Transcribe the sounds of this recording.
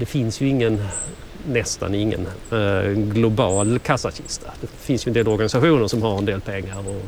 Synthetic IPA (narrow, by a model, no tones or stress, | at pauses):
d̪ɛfɪnsjɵɪŋːənː | ɛst̪a̰nɪŋːə̰n | ɡlʊbɑːlkʰasaɕɪ̰st̪ad̪ɛfɪnsjɵɛnd̪eːlɔɾɡanɪsaɧuːnəɾʂɔmhaɾɛnd̪eːlpʰɛŋːaɾɔ